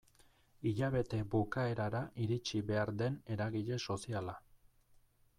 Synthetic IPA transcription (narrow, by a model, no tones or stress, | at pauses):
iʎaβe̞t̪e̞bukae̞ɾaɾaʔiɾit͡ʃiβe̞aɾd̪e̞ne̞ɾaɣiʎe̞so̞siala